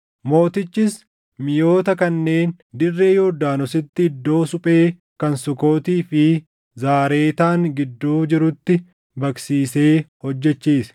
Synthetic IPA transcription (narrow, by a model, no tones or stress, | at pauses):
mo̞ːt̪ɪt͡ʃːɪs | mɪjo̞ːt̪ɐkɐnːe̞ːn | d̪ɪrːe̞ːjoːd̪aːnɔsɪt̪ːɪːd̪ːo̞ːsʊpʼe̞ː | kɐnsʊko̞ːt̪iːfɪ | zaːɾe̞ːt̪aːŋɡɪd̪ːuːd͡ʒɪɾʊt̪ːɪ | bɐksiːse̞ːhɔd͡ʒːɛt͡ʃːiːs